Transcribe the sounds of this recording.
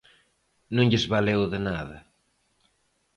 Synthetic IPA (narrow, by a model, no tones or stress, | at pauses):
nũŋʎɪzβalewðɪnaðɐ